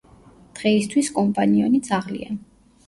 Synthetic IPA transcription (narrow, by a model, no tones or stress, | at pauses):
d̪̥ʁɛist̪ʰwiskʼɔmpʼaniɔnid̪sʰʼaʁlḭa̰